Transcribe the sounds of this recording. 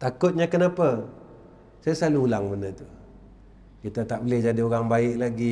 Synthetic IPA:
t̪akʊt̪̚ɲakənapə | sajasaluːlaŋbəndət̪u | kit̪at̪aʔbəlɪhd͡ʒadioɣaŋbaɪʔlaɡi

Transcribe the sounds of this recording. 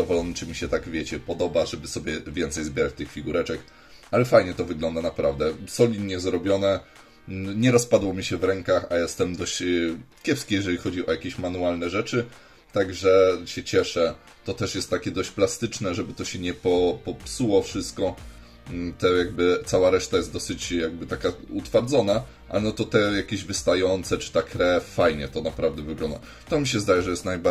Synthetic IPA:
d̪ɔvɔlɔnɛt͡ʂɘmʲiɕɛt̪aɡvʲjɛt͡ɕɛpɔd̪ɔbaʐɛbɘsɔbʲjɛvʲjɛnt̪sɛjzbʲɛɾat͡ɕt̪ɘxfʲiɡuɾɛt͡ʂɛk | alɛfajɲɛt̪ɔvɘɡlɔnd̪anapɾavd̪ɛsɔlʲid̪ɲɛzɾɔbʲjɔnɛ | ɲɛɾɔspad̪wɔmʲiɕɛvɾɛŋkaxajɛst̪ɛmd̪ɔɕt͡ɕkʲjɛpskʲijɛʐɛlʲixɔd͡ʑiʔɔjakʲeɕmanualnɛʐɛt͡ʂɘ | t̪aɡʐɛɕɛt͡ɕɛʂɛ | t̪ɔt̪ɛʂjɛst̪ːakʲɛd̪ɔɕt͡ɕplast̪ɘt͡ʂnɛʐɛbɘt̪ɔɕɛɲɛpɔpɔpsuwɔfʂɘst̪̚kɔ | t̪ɛjaɡ̚bɘt̪sawaɾɛʂt̪ajɛsd̪ɔsɘt͡ɕjaɡ̚bɘt̪akaut̪faɾd̪zɔna | ʔa̰lɛnɔt̪ɔt̪ɛjakʲeʑvɘst̪ajɔnt̪sɛt͡ʂɨ̥t̪akɾɛffajɲɛt̪ɔnapɾavd̪ɛvɘɡlɔnd̪a̰ | t̪ɔmʲiɕɛzd̪ajɛʐɛjɛst̪najba

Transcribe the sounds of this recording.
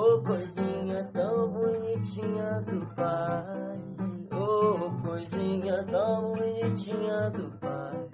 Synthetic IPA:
okozĩɲãtãbuɲĩt͡ʃiɲadupaiookozĩɲãt̪ãbuɲĩt͡ʃiɲãd̪upa

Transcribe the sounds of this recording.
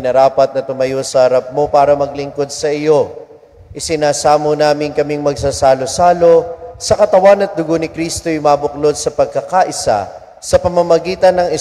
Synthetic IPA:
nɐɾaːpɐt̪̚nɐt̪ʊmɐjo̞sɐhɐɾɐp̚mo̞paːɾɐmɐɡ̚lɪŋko̞d̪̚sɐɪjo̞ | ʔɪsɪnaːsaːmonaːmɪŋkɐmiŋmɐɡ̚saːsaːlo̞saːlo̞sɐkɐt̪ɐwanɐt̪̚d̪ʊɡonɪkɾiːst̪o̞jʊmaːbʊklo̞d̪̚sɐpɐɡ̚kɐkaʔɪsa̰ | sɐpɐmɐmɐɡiːt̪ɐnːɐŋɪ

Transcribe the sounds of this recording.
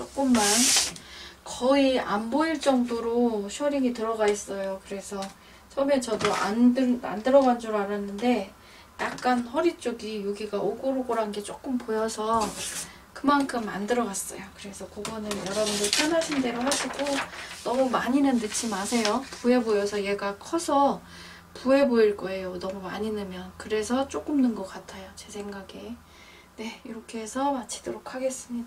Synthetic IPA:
t͡ɕ͈ok͈ɯmːan | kʌiamboiɭt͡ɕ͈ʌŋdoɾoɕʰuʌɾiŋitɯɾʌɡais͈ʌjokɯɾe̞sʰʌ | t͡ɕʰʌɯme̞t͡ɕʌdoʔa̰ndɯa̰ndɯɾʌɡand͡ʑoɾaɾanːɯnde̞ | jak̚k͈anɸʌɾit͡ɕ͈oɡijoɡiɡaʔoɡoɾoɡoɾɦanɡe̞t͡ɕ͈ok͈ɯmpojʌsʰʌ | kɯmankʰɯmːandɯɾʌɡas͈ʌ̰jokɯɾe̞sʰʌkoɡʌnɯnjʌɾʌbundopʰjʌnɦaɕʰinde̞ɾoɦaɕʰiɡonʌmumaɲinɯnːɯt͡ɕʰimasʰe̞jopuɦe̞bojʌsʰʌje̞ɡakʰʌsʰʌ | puɦe̞boiɭk͈ʌe̞jonʌmumaɲinɯmjʌnkɯɾe̞sʰʌt͡ɕ͈ok͈ɯmnɯnɡʌk͈atʰajot͡ɕe̞sʰe̞ŋɡaɡe | ne̞iɾʌkʰe̞ɦesʰʌmat͡ɕʰi̥d̥oɾokʰaɡe̞s͈ɯmɲidaa

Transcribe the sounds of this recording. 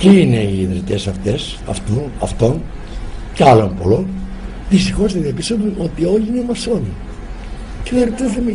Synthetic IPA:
ciine̞iːðɾit̪e̞sɐft̪e̞s | ɐ̰ft̪unɐft̪o̞n | ceɐlompo̰lon | ðist̪ixo̞zðeðiɐpist̪ovuno̞t̪io̞liinemɐsoni | ceðɐɾt̪eθemi

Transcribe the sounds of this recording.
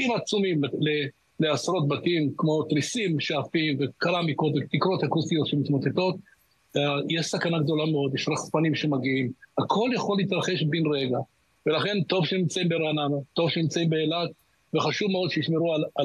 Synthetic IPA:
imat͡sumimlle | le̞asɾo̞t̪̚bat̪imkmo̞t̪ɾisimʃaafimvekalamiko̞t̪vet̪ikɾo̞t̪hakusijo̞t̪ʃemit̪mo̞t̪e̞t̪o̞t̪̚ | ajeʃsakanaɡd̪o̞lameo̞d̪jeʃɾaχspanimʃemaɡiimhakʰo̞ljaχolːeit̪ɾaχe̞ʃbinʁeɡa | ve̞laχe̞nt̪o̞vʃenimt͡saimbeɾanamat̪o̞vʃenimt͡saimbeːlat | veχaʃuvmeo̞d̪ʃejiʃmeɾual

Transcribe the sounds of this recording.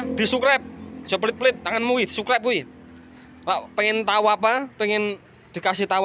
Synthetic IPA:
d̪̥i̤sukɾɛp̚d͡ʒ̥ɔpəlɪt̪̚pəlɪt̪̚ːaŋanmuwid̪̥isukɾɛp̚kui | laʔpɛŋɪnt̪awapapɛŋɪn | d̪̥i̤kasiht̪aw

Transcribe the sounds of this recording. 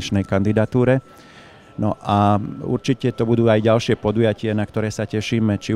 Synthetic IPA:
it͡ʃnɛjkand̪id̪at̪uːɾɛ | nɔʔaṵɾt͡ʃicɛt̪ɔbud̪uːajɟalʃɪɛpɔd̪ujacɪanakt̪ɔɾɛːsacɛʃiːmɛt͡ʃi

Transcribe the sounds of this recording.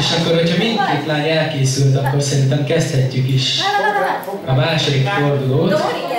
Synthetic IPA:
ʃɒkːo̞ɾho̞cʰhɒmint̪keːt̪lanɛlkeːsylt̪ɒkːo̞rsɛɾint̪ɛmkɛst̪hɛcːykiʃ | ɒmaːʃod̪ikfo̞rd̪uloːt̪

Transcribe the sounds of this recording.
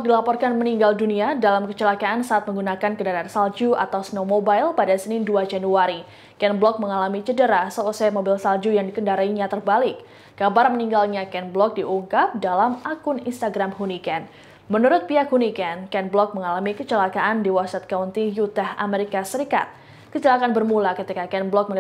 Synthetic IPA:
bɔk̚dilapɔrkanməniŋɡalduniadalamkət͡ʃəlakaʔansaʔːt̪̚məŋɡunakankəndaɾaansald͡ʒuʔa̰t̪awsnomobailpadasənɪnduad͡ʒanuaɾi | kɛnblɔk̚məŋalamit͡ʃədəɾasəusamobɪlsald͡ʒujaŋdikəndaɾaiɲat̪ərbalɪkː | abarməniŋɡalɲakɛnblɔk̚diʔuŋkap̚dalamakʊnḭnst̪aɡɾamɦunikɛn | mənuɾʊt̪̚piakhunikɛnkɛnblɔk̚məŋalamikət͡ʃəlakaʔandiwasat̪̚kaunt̪ijut̪ɛha̰meɾikasəɾika̰t̪̚ | kət͡ʃəlakaanbərmulakət̪ikakɛnblɔk̚mə

